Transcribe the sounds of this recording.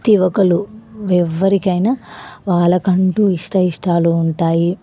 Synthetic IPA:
t̪iʋɐkɐluʋɛʋːɐɾikɐjnɐʋaːɭɐkɐɳʈuiʂʈɐiʂʈaːluːɳʈaːji

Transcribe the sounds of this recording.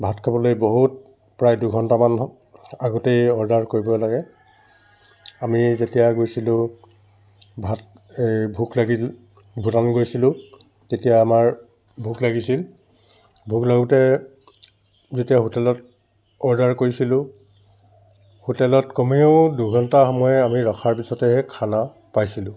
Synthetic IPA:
bʱatkʰabɔlojboɦut̚ | pɹajduɡʱɔntaman | aɡɔtejɔɹdaɹkoɹibɔlaɡɛ | amizetijaɡojsilʊ̃ | bʱat̚ | ejbʱuklaɡil | bʱutanɡojsilʊ̃ | tetijaːmaɹ | bʱuklaɡisil | bʱuklaɡutɛ | zetijahutɛlɔt̚ | ɔɹdaɹkoɹisilʊ̃ | hutɛlɔtkɔmioduɡʱɔntaxɔmɔjɛamiɹɔxʰaɹpisɔtɛɦɛkʰana | pajsilʊ̃

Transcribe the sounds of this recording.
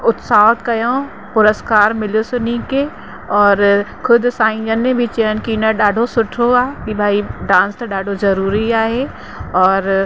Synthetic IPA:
ʊt̪saːt̪kɐjõː | pʊɾəskaːɾmɪlosʊnĩke | ɔːɾkʰʊd̪ʱsãːĩd͡ʒənːẽbʱit͡ʃiənkinɐɗaːɖʱosʊʈʰoaːkibʱaːiɖãːnst̪ɐɗaːɖʱozɐɾuːɾiaːɦe | ɔːɾ

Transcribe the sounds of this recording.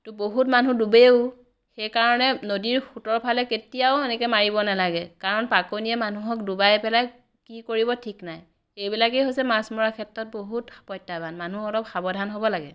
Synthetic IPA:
tʊboɦutmanudubeʊ | xejkaɹɔnɛnodiɹxutɔɹpʰalɛketijaʊɛnɛkɛmaɹibɔnalaɡɛkaɹɔnpakonijɛmanuɦɔk̚dubajpɛla | kikoɹibɔtʰiknaj | ejbilakejɦojsɛmasmɔɹakʰɛtɹɔt̚boɦutpɔjtːabanmanuɔlɔpxabɔdʱanɦobɔlaɡɛ

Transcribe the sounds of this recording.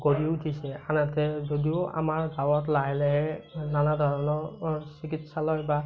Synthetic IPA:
ɡoɹiutʰisɛanatɛzodiʊa̰maɹɡawɔtlaɦɛlɛɦɛnanadʱɔɹɔnɔsikitsalɔjba

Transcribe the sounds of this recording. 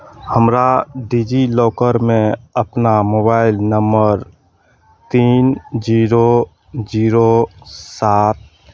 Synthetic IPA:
həmɾaɖiːd͡ʒilɔːkəɾmẽəpnamoːbaːɪlnəmbəɾ | t̪iːnd͡ʒiːɾo | d͡ʒiːɾosaːt̪̚

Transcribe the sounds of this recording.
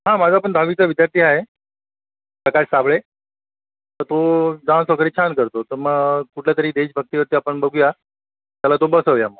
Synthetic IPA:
ɦãmad͡zʱaːp̬əɳd̪ʱaʋit͡səʋid̪jaɾt̪ʰiːaɦe | səkaɭsabɭe | t̪əɾt̪od͡zãsʋəkəɾiːt͡ɕʰankəɾt̪ot̪əɾməɡkuʈʰljat̪əɾiːd̪eɕbʱəɡ̚t̪iːʋəɾt̪iːapəɳbəɡuja | t̪jalat̪obəsəʋjamːa

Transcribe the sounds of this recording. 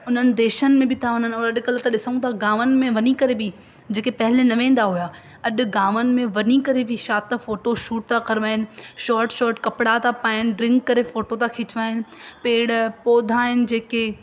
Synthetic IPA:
ʊn̤ənɪ̆d̪eːʃənɪ̆mẽbʱɪt̪ʰaɦɐn̤ənɔːɾɐɗʊ̆kɐlət̪ʰaɗɪsəũt̪ʰaɡaːʋənɪ̆mẽʋɐnikɐɾebɪ | d͡ʑeːkepɐɦɪlenɐʋẽːn̆d̪aɦujaː | ɐɗʊ̆ɡaːʋənɪ̆mẽʋɐnikɐɾebʱɪʃaːt̪ːafoːʈoʃuːʈ̚t̪ʰakɐɾʋaːɦɪnɪ̆ʃɔːɾʈʃɔːɾʈkɐpɪɽat̪apaːɪnɪ̆ɖɾɪ̃ŋkːɐɾefoːʈot̪ʰakʰɪt͡ɕɪʋaːɦɪnɪ̆peːɽpoːd̪ʱaːɦɪnɪ̆d͡ʑeːke

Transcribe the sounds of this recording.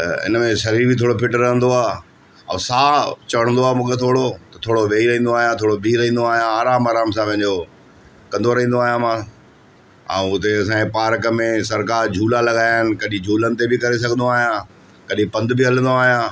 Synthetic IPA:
ɪ̰nmẽʃɐɾiːɾbʱɪt̪ʰoːɽopʰɪʈəɾːɐɦə̃nd̪oaː | ɐ̰̃saːt͡ɕɐʋəɽ̃nd̪oaːmũːkʰet̪ʰoːɽot̪ɐt̪ʰoːɽoʋeːiɾɐɦĩːnd̪oaːɦijãt̪ʰoːɽobʱiːɾɐɦĩːn̆d̪oaːɦijãaːɾaːmaːɾaːms̬ãʋɐ̃ɪ̃ɲd͡ʑo | kɐ̃nd̪ʱoɾɐɦĩnd̪oaːɦijãmã | ɛ̰̃ʊt̪eɐs̬ãːkepaːɾkəmẽsɐɾkaːɾd͡ʑʱuːlalɐɠaːjɪnɪ̆kɐɗĩd͡ʑʱuːlənɪ̆t̪ebɪkɐɾes̬ɐɡʱə̃nd̪oaːɦijã | kɐɗĩpɐ̃nd̪ɪbɪɦɐlə̃nd̪oaːɦijãː

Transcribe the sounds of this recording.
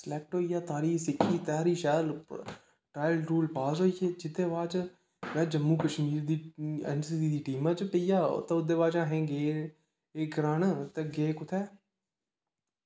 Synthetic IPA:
səlɛk̚ʈɦoːijaːt̪ʰaːɾiːsɪkʰːiːt̪aːɾiːʃɛːl | ʈɾaːɪlɾuːlpaːsɦoːijeːd͡ʒɪd̪eːʋaːt͡ʃ | mɛ̃ːd͡ʒəmːuːkəʃmiːɾd̪iːɛ̰ːnsiːdiːd̪iːʈiːmãːt͡ʃpəija̰ːt̪ẽːʊd̪eːʋaːd͡ʒãːɦẽːɡeː | eːɡɾaːnt̪eɡeːkʊt̪ʰɛː

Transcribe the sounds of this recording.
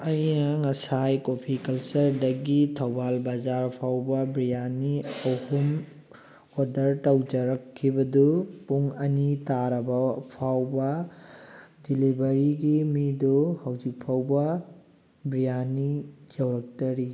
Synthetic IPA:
ɐjnɐŋɐsajkopʰikɐlt͡ʃɐɾdɐɡitʰɐwbalbad͡ʒaɾpʰawbɐbɾijaniɐwhum | odɐɾtɐwd͡ʒɐɾɐkʰːibɐdupuŋɐnitaɾɐbɐpʰawbɐ | dilibɐɾiɡimiduhɐwzik̚pʰawbɐ | bɾijanid͡ʒɐwɾɐk̚tɐɾi

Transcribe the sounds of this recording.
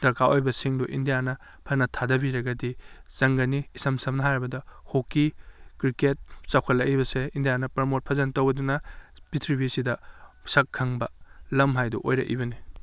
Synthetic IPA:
d̥ɐɾkaojbɐsiŋduʔindijanɐ | pʰɐnɐtʰadɐbiɾɐɡɐdiz̥ɐŋɡɐniːsɐmsɐmnɐɦajɾɐbɐdɐhokːikɾiket̚sawkʰɐtlːɐkibɐseindijanɐpɐɾmot̚pʰɐzɐntɐwbɐdunɐbitʰɾibisidɐsɐkʰːɐŋbɐlɐmɦajdṵʔojɾɐ̰kʔḭbɐni

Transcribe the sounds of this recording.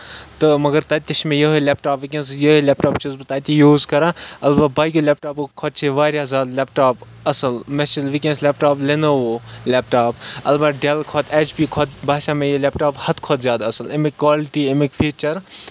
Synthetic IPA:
t̪ɨmɐɡəɾt̪ɐt̪ʲːɐʃmẽjɐɦilɛːp̚ʈaːpʋikẽnsjɐɦelɛːp̚ʈaːpt͡ʃʰizbɐt̪aːt̪ijuːzkɐɾaːɐlbabaːkʲolɛːp̚ʈaːpokʰɔːt̪̚t͡ʃʰeʋaːɾjazʲaːd̪lɛːpʈaːp | ɐsəlmet͡ʃilʋikẽnsleːp̚ʈaːplenoolɛːp̚ʈaːpɐ̰lbaːɖelkʰɔːt̪ʰɛːt͡ʃpiːkʰɔːt̪baːʃamẽjelɛːpʈaːphɐt̪kʰɔːt̪zjaːd̪aɐsəlemikːwaːlɪʈiemikfʰiːt͡ʃɐɾ

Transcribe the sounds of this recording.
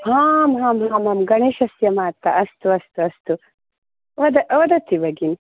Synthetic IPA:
haːmɦaːmɦaːmɐmɡɐɳ̃iʃɐsjɐmaːt̪ːɐʔɐst̪uɐst̪uɐst̪u | ʋɐd̪ɐʔʋɐd̪ɐt̪ʰibɐɡin

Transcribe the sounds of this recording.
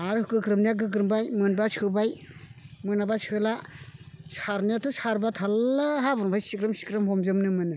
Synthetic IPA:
aɾɯɡɯkɾɯmnijaɡɯɡ̬ɾɯmbajmɯnbat͡ʃʰɯbaj | mɯnabat͡ʃʰɯla | sʰaɾnijatʰusʰaɾbatʰalɦabɯnbʰʱajsikɾɯmsi̥kɾɯmɦɔmzɯmnɯmɯnɯ

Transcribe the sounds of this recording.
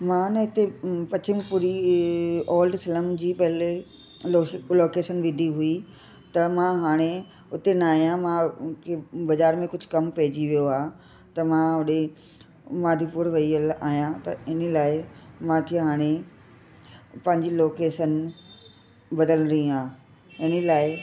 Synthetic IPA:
mãːnɐɦɪt̪epɐt͡ɕɪmpʊɾi | ɔːlɖsɪləmd͡ʑiːpɐɦɪle | loːkeːʃənʋɪd̪ʱiɦui | t̪ɐmãɦaːɽ̃e | ʊt̪enɐaːɦijãmãkʰebɐzaːɾmẽkʊd͡ʑʱʊ̆kɐmpɐɦɪd͡ʑiʋijoaː | t̪ɐmãɦʊɗe | maːd̪ʱipʊɾʋɐiəlaːɦjãt̪ɐɪnəlaːɪmãt̪ʰiɦaːɽ̃e | pɐ̃ɦɪ̃ɲd͡ʑiloːkeːʃən | bɐd̪ələ̃ɾĩaː | ɪnəlaːɪ

